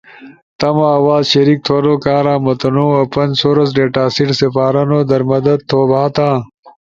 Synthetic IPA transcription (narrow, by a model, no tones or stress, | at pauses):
t̪ɐmaɐwaːzɕɐɾik̚t̪ʰoɾoːkãːɾãːmɐt̪ɐnoːɐːpɐnsoːɾɐs̬ɖeːʈaːsiʈsefaːɾɐnoːd̪ɐɾmɐd̪ɐd̪̚t̪ʰːoːbʱaːt̪ãː